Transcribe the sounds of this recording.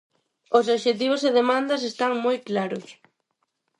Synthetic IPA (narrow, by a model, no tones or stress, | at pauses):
os̬oβʃet̪̬iβ̞oseðemãnd̪ɐs̬est̪aŋmojklaɾʊs